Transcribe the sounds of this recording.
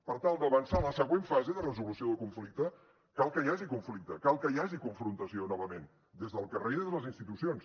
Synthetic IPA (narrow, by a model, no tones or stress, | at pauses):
pəɾt̪alˠd̪əβənsaləsəɣweɱfazeðərəzulusioðəkuɱflik̚t̪ə | kalˠkəjaʒikuɱflik̚t̪əkalˠkəjaʒikuɱfɾunt̪əsionɔβ̞əmen | d̪ezðəlˠkəreðeðələzinst̪it̪usions